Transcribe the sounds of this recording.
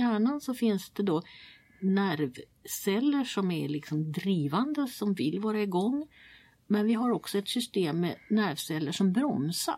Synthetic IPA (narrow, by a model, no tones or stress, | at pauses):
æːɳansɔfɪnsd̪ɛd̪o | næɾv | sɛlːəʂɔmæɭɪksɔmd̪ɾiːvand̪əsɔmvɪlvɑːɾaɪɡɔŋː | mɛnvɪɦaɾɔksɔɛt̪sʏst̪eːmːɛnæɾvsɛlːəʂɔmbɾɔmsa̰